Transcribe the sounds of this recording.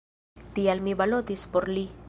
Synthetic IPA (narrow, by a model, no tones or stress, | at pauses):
t̪ialmibalot̪ispoɾli